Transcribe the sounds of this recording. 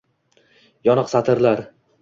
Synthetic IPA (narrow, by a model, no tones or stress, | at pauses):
jɒnɨqsat̪ʰɪɾlaɾ